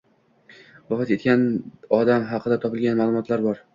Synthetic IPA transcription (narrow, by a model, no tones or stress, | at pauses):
vɒfɑt̪e̞t̪̚kʲanɒd̪amɦɑqʰɨd̪at̪ʰɒpɪlɡʲanmaːlˠʊmɒt̪laɾbɒɾ